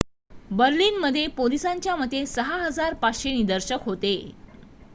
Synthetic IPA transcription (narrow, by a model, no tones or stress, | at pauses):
bəɾliːnməd̪ʱːjepolisaɲt͡ɕjaməd̪ʱːjesəɦaɦəd͡zaɾpaɕeñiːd̪əɾɕəkɦot̪e